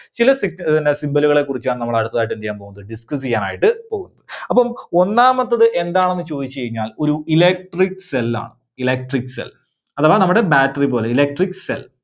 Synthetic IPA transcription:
t͡ɕilɐsiinːesimbɐluɣɐɭe̞kːurit͡ɕːaːɳnɐmːɐɭɐɽut̪ːɐðaːiʈ̬ːenijaːmpo̞ːɣunːɐðɨɖiskɐs̬ejaːna̰ːjiʈːɨpoːɣunːɐðɨɐpːɐmo̞nːaːmɐt̪ːɐðɨʔe̞nd̪aːɳe̞nːɨt͡ɕo̞ːðit͡ɕːt͡ɕejiɲːaːlo̞ɾuilek̚ʈrikːselːa̰ːɳɨ | ilek̚ʈrikːsḛl | ɐðɐʋoːnɐmːuɽe̞baːʈːɐripo̞ːleilek̚ʈrikːsḛl

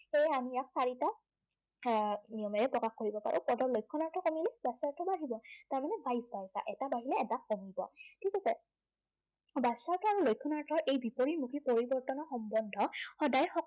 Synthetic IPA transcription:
xejamijaksaɹita | niɔmɛɹɛpɹɔkaxkoɹibɔpa̰ɹʔṵpɔdɔɹlojkʰːɔnaɹtʰɔkomilɛbasaɹtʰɔbaɦibɔtaɹmanɛbajsbajsa̰ʔɛtabaɦilɛːtakːomibɔ̰tʰikɛzɛ | basaɹtʰɔaɹulojkʰːɔnaɹtʰɔɹʔejbipoɹimukʰipoɹibɔɹtɔnɔxɔmbɔndʱɔxɔdajxɔ

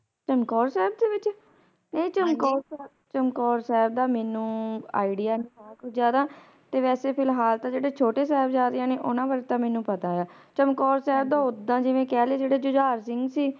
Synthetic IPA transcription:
t͡ʃəmkɔːɾsɛːb̚d̪eːʋɪt͡ʃ | nəĩːt͡ʃəmkɔːɾsɛːbt͡ʃəmkɔːɾsɛːb̚d̪aːmɛːnũːaːiɖɪjaːnĩːaːaːkʊt͡ʃʰzjaːd̪aː | t̪eːʋɛːseːpʰɪlɦaːlt̪ãːd͡ʒeːɽeːt͡ʃʰoːʈeːsɛːbd͡ʒaːɾejãːneːʔʊnãːpəɾet̪ãːmɛ̃ːnũːpət̪aːjaːt͡ʃəmkɔːɾsɛːb̚d̪ãːʊd̪ãːd͡ʒɪʋẽːkɛːleːd͡ʒeːɽeːd͡ʒʊd͡ʒaːɾsɪŋɡsiː

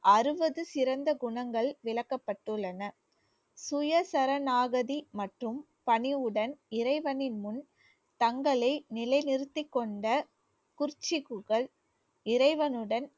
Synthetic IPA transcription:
ʔɐɾɯbɐðɯsɪɾɐnd̪ɐɡʊɳɐŋɡɐɭʋɪɭɐkːɐpːɐʈːɯɭːɐnɐ | sʊjɐsɐɾɐnaːɣɐðimɐʈrɯm | pɐɳɪʋɯɽɐnɪɾɐɪʋɐnɪnmʊn | t̪ɐŋɡɐɭɐɪnɪlɐɪnɪɾɯt̪ːɪkːɔɳɖɐ | kʊrt͡ʃːɪɣɯɣɐɭ | ɪɾɐɪʋɐnɯɽɐn

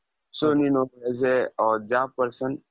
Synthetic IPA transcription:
soninoezeɔːɾd͡ʒaːpəɾsə̃n

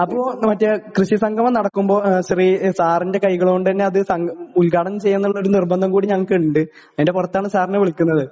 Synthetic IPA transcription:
ɐpːoːmɐtːɨkrɨɕisɐŋɡʰʱɐmanɐɽɐkːumbo̞ːɕɐrisaːrinde̞kɐjɣɐɭːɳɖɨt̪ɐnːeɐðɨsɐŋɡulkaːɽɐnt͡ɕejːɐnːuɭːɐoɾunirbɐnd̪ʱɐmkuːɽiɲɐŋːɐɭkeʈːɳɖɨ | ɐðindepurɐt̪ːaːɳɨsaːrneʋiɭikʲːunːɐðɨ

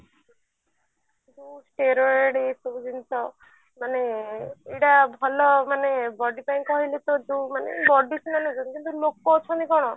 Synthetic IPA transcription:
d͡ʒũsʈeɾɔɾeɽesud͡ʒint̪ɔ | maneeɽabʱɔlɔmanebɔɖipaj̃kɔɦilet̪ɔd͡ʒumanḛbɔɖisinanud͡ʒɔnkint̪ulok̚ːɔut͡ʃʰɔnikɔɽ̃ɔ

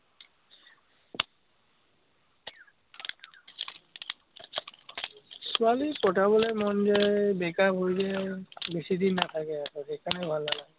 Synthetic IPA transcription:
sʊalikɔtabɔlɛmɔnzɛbɛkabʱojzɛbesid̪inːat̪ʰakɛakɔɛkʰanɛbʱalːala

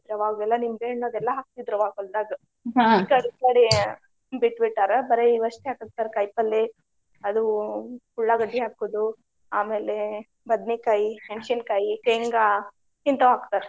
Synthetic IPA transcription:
ɾɐʋaːɡɛlːɐnimɡeːɳːuɐd̪ɛlːɐɦaːk̚t̪id̪ɾuʋaːɡold̪aːɡɐ | kaɽikaːɽe | biʈːbiʈːaːɾɐbɐɾeiʋɐʂʈiɦaːkɐk̚t̪aːɾkɐjpɐlːe | ɐd̪ukuɭːaɡɐɖːiɦaːkoːd̪u | aːme̞ːle | bɐd̪nikaːjieɳʃinkaːjikeŋɡa | int̪ɐʋaːkt̪aːɾe

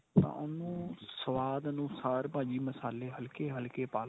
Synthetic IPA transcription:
t̪ã̰ːʔʊnũːsəʋaːd̪nũːsaːɾpãːd͡ʒiːməsaːleːɦəlkeːɦəlkeːpaːl

